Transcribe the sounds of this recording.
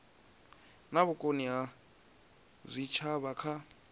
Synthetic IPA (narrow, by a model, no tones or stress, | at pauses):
naβʊkʼonia | zʷit͡ʃʰaβakʰa